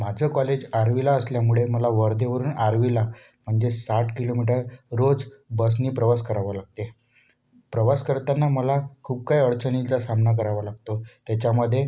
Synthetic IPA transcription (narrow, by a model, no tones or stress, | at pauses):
mad͡zʱəkɔled͡ʑaɾʋilaəsljamuɭeməlaʋəɾd̪ʱeʋəɾuːnaɾʋilam̤əɳd͡zesaʈkilomiʈ̬əɾɾod͡zbəs̬niːpɾəʋaskəɾaʋalaɡ̚t̪e | pɾəʋaskəɾt̪anːaməlakʰuːp̚kajəɭt͡sənit͡sasamnak̬əɾaʋalaɡt̪ot̪jat͡ɕjaməd̪ʱːje